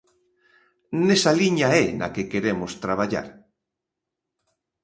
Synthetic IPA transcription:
nesaliɲaɛna̰kekeɾemost̪ɾaβ̞aʎa̰ɾ

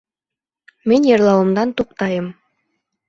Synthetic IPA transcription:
mɘnʲjɤrlˠɑwɤ̆md̪ɑnt̪uq̚t̪ɑjə̆m

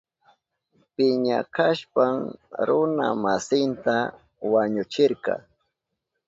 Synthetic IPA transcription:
pɪɲakaʃpaŋɾʊna̰masɪnt̪a | waɲʊt͡ʃɪɾkɑ̰

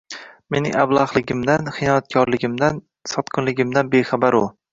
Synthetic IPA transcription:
me̞nɪŋablˠɑχlˠɪɡʲɪmd̪anχɪnɒjat̪̚kʰɒɾlɪɡʲɪmd̪an | sɒt̪qʰɨnlɪɡʲɪmd̪anbeχabaɾʊ

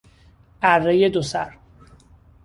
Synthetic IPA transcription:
ʔærːejed̪osæɾ

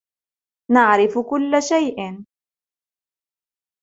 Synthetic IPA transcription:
naʕɾɪfkʊlːaʃajʔ

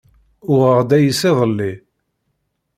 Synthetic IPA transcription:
ʊʁəʁd̪æjisɪðˤəlːi

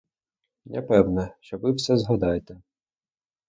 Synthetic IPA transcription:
nʲɐpɛwnɛʃt͡ʃɔʋɪwsɛzɦɐd̪ɑjet̪ɛ

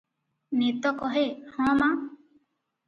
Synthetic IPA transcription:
net̪ɔkɔɦehɔ̃ma

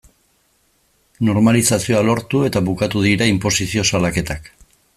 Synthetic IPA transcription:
no̞ɾmalisasio̞alo̞ɾt̪ue̞t̪aβukat̪uðiɾaimpo̞sisio̞salake̞t̪ak

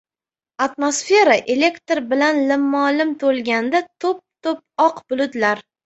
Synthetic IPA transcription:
at̪mosfe̞ɾaʔe̞le̞kt̪ɾbɪlanlɪmːɒlɪmt̪ʰolɡʲand̪at̪ʰop̚t̪ʰop̚ɒqbʊlʊd̪laɾ

